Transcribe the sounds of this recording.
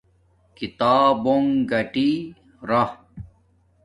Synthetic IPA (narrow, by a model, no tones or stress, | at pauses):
kit̪aːboŋɡɐʈi | ɾɐh